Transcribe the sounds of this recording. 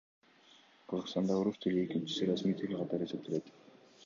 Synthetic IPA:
qʰɯzəʁst̪ɑnd̪ɑoɾust̪ʰɪliekint͡ʃi̥siɾɑsmit̪ʰiɾɡʲiqʰɑt̪ɑɾe̞se̞pt̪ele̞t̪

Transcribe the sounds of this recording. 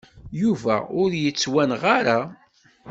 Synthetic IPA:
juvæ̰ʊɾjət͡sːwænʁaɾa

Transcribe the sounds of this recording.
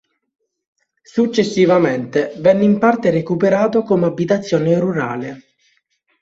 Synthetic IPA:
sut͡ʃːesːivament̪evɛnːimpart̪eɾekupeɾaːt̪okomabːit̪at̪sːjɔːneruɾa̰ːle

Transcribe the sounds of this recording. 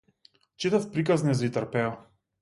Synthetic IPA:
t͡ʃit̪afpɾikaznɛzit̪əɾpɛɔ

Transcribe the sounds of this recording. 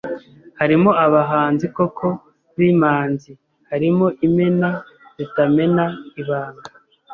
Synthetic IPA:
haɾimo̞aβaɦaːnzikokʰo̞ | βimaːnzi | haɾimo̞ʔime̞na | zitame̞naiβaːŋɡa

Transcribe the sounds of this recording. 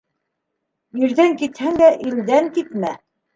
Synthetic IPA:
iɾðæŋkit̪hæŋd̪æʔild̪æŋkit̪mæ

